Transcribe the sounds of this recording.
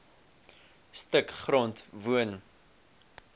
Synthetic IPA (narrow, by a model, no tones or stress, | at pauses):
stəkχrɔntvuən